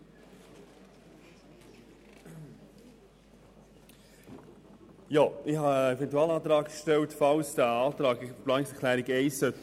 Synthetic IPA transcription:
joɪhɑɛfɛntuɑːlɑːt̪ɾɑːkʃtɛltfɑlsd̥æːɑːt̪ɾɑːɡplɑːnɪksɛkʰlæːɾiɡɛɪsːœt̪

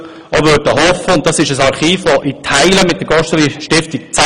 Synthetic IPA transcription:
oʋøːtəɦɔfəʊnt̚d̥ɑsɪʃəsɑɾχiːfʋɔʔɪtʰaɪləmɪt̚d̥əɡ̥ɔʃtəliʃtɪftik̚t͡s

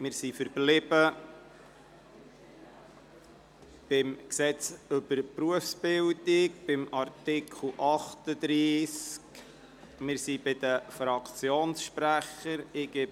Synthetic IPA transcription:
mɪːɾsifəɾblɪbə | b̥ɪmksɛt͡sʏbəɾpɾuəfsb̥ɪld̪ɪkb̥ɪmɑɾtɪkʰl̩ʔɑχt̪əd̪ɾiːsk | mɪːɾsibɪd̪əfɾɑkʰt͡sjoːnsʃpɾæχəɾɪɡɪ

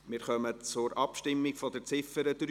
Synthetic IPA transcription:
mɪːɾχœmət͡sʊɾʔɑpʃtɪmːiɡfɔdəɾt͡sɪfəɾətɾ

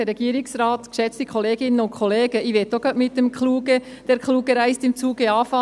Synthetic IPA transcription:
ɛɾɛɡiːəɾɪksrɑːt̪kʃɛt͡st̪ikʰɔleːɡɪnənʊntkʰɔleːɡəʔiʋɛtːoɡ̥ɑtmɪt̚ːəmkχluːɡə | d̥ɛɾkluːɡəɾæɪstɪmt͡suːɡəɑːfɑ

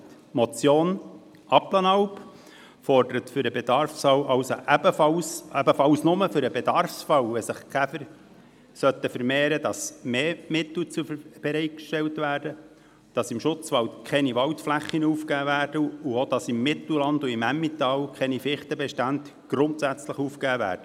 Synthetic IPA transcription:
mɔt͡sjoːn | ʔɑplɑnɑwp | fɔɾdəɾət̪fʏɾəbed̥̪ɑɾfsɑwʔɑwso̰ʔæbəfɑlsæbəfɑwsnʊməfʏɾəbedɑɾfsfɑwvɛsəχkʰæfəɾ | sœt̪ːəfəɾmeːɾədɑsmeːmɪt̪l̩t͡sub̥ɛɾɛɪt̚kʃtɛwtʋæːɾdə | d̥ɑsɪmʃʊt͡sʋɑwtkʰɛniʋɑwt̪flæχːinəuːfkæːvæːɾd̥əuod̥ɑsɪmːɪt̪l̩lɑnduɪmæmːit̪ɑːwkʰɛnifɪχt̪əbɛʃtændt | ɡ̥ɾʊnt̪sæt͡sləχuːfkæːvæ̰ːɾd̥ə

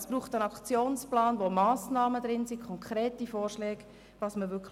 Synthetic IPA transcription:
sb̥ɾuːχtənɑkt͡sjoːnsplɑːnʋomɑːsnɑːmədɾɪnsikʰɔŋkʰɾɛːtifɔːrʃlɛːɡ̥ | vɑsməʋʏkʰ

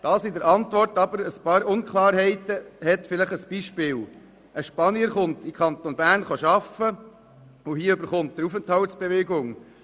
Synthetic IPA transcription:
d̥ɑːsɪdəɾʔɑnt̪ʋɔrtɑbəɾəspɑːɾʊnkχlɑːɾɦɛɪt̪əhɛtfɪləχəsb̥iʃpɪːl | ʔəʃpɑniəɾχʊnt̪ɪkʰɑnt̪onbæːrnχoʃɑfə | ʊhiəøbəɾχʊnt̚d̥̪əɾufənthɑltsb̥eʋeɡʊŋ

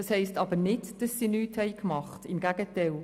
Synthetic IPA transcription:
ɑshɛɪstɑbənɪdd̥ɑsːinyːthɛɪkmɑχtɪmɡæɡ̥ətɛl

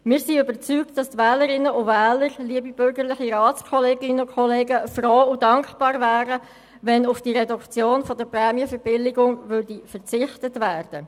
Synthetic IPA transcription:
mɪːsiøbəɾt͡syːktd̥ɑstvɛːləɾɪnːəʊvɛːləɾliəbibʏɾɡəʁlɪχiɾɑːt͡skʰɔleːɡɪnːəʊkʰχɔleːɡəfroːudɑŋkb̥ɑːɾvæːɾə | vɛnʊfd̥iɾɛdukt͡sjoːnfɔdəprɛːmijəfəɾb̥ɪlːɪɡʊŋvʏɾd̥ifəʁt͡sɪχtətvæːrd̥ə

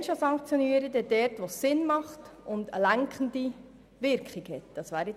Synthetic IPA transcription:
nʃosɑŋkt͡sjɔniːɾədɛd̥ɛɾtʋossɪnmɑχtʊndə̰læŋkʰχən̩di | ʋɪɾkχiɡhɛtd̥ɑsʋæːɾɪ

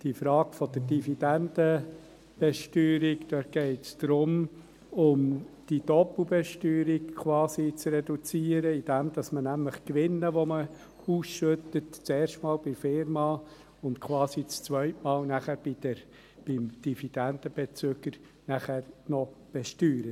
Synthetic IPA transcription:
d̥ifɾɑːɡ̥fɔd̥̪əɾd̥ifidænd̪ə | b̥ɛʃtyːɾikd̥̪œt̚ɡ̥ɛɪtsd̪̥ɾʊm | ʊmd̥id̥̪ɔplbɛʃtyːɾikkʰʋɑːsit͡srɛd̥̪ut͡siːəɾəid̥ɛmd̥̪ɑsmənæmləχkʋɪnːəʋɔmə | uːsʃøt̪ətt͡seːɾʃtmɑːlbɪfɪɾmɑ | ʊnt̪kʰʋɑːsit͡st͡sʋœʏtmɑːlnæχæɾb̥idəɾ | b̥ɪmd̥ifid̥̪ænd̪əb̥ɛt͡søɡ̥əɾ | næχæɾnɔb̥ɛʃtyːɾə

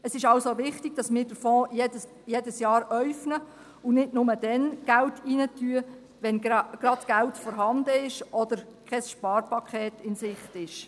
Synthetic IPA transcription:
əsɪʃɑwsoʋɪχtiɡ̥̚d̥ɑsmɪːɾdəɾfɔːjedə | jedəsjɑːɾœɥfnə | ʊnɪdnʊmədɛnɡ̥æltiːnətyə | ʋɛnɡ̥ɾɑdɡ̥æltfɔɾɦɑndəɪʃʔɔd̥əɾkʰɛsʃpɑːɾpɑkχɛːtɪnsɪχtɪʃ

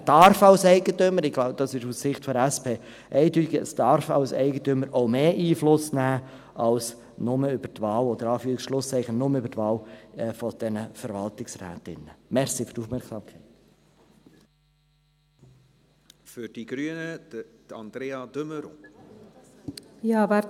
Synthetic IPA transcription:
d̥̪ɑɾfɑʊsɛɪɡət̪øməɾɪɡ̥laʊbəd̥ɑsɪʃussɪχtfɔdæspʰeː | ʔɛɪdyt̪ɪɡəə̰sd̥ɑɾfɑʊsɛ̰ɪɡət̪ømːəɾʔoʊmeːʔiːflʊsnæː | ʔɑls | nʊməʏb̥ətvɑːlɔd̪əɾɑːfyːɾɪksʃlʊst͡sɛɪχənnʊməʏbəɾtʋɑːlːfɔd̪̥ɛnəfəɾvɑlt̪ɪksɾɛ̰ːt̪ɪ̰nəmɛɾsifʏ̥tuːfmɛɾksɑːmkʰɛɪt̪ | fʏɾd̥iɡ̥ɾyənəd̥̪ɑnd̪ɾeːɑd̥̪øməɾo | jɑːvæ

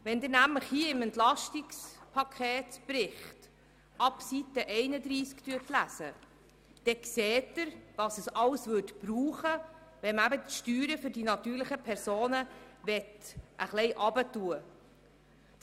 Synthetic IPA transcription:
ʋɛnd̪ɪɾnæmləχhiəɪmɛntlɑʃtɪkspʰɑkʰeːtb̥ɾɪχt | ʔɑpsitəʔɛɪnəd̪ɾiːskt̪yətlæsə | d̪̥ɛkseːtːəɾʋɑsəsɑlsvøtb̥ɾuːχəʋɛmæbəʃtyːɾəfʏɾdinɑt̪yːɾləχəpʰɛɾsoːnəvɛtʔəχlɛɪʔɑbətuə

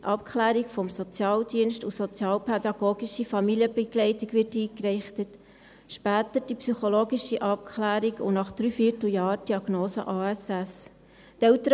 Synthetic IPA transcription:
ʔɑpkʰχlæːɾikfɔmsɔt͡sjɑːldiənʃtusɔt͡sjɑːlpʰɛd̪ɑɡ̥oːɡ̥iʃifɑmiliəbəɡ̥lɛɪtiɡʋɪɾtiːkrɛχtət | ʃpæːtəɾd̥ipsyχoloːɡiʃiʔɑp̚kʰlæːɾiɡʊnɑχd̥ɾyːfiːtl̩jɑːɾd̥iɑɡ̥noːsəʔɑːæsɛs | tɛʊtəɾ

